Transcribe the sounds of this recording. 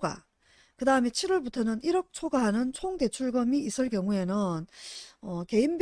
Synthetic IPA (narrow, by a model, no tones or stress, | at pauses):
ɡa̰ | kɯdaɯme̞t͡ɕʰiɾwʌɭbutʰʌnɯniɾʌk̚t͡ɕʰoɡaɦanɯnt͡ɕʰoŋde̞t͡ɕʰuɭɡʌmiːs͈ʰɯɭk͈jʌŋue̞nɯnʌke̞inb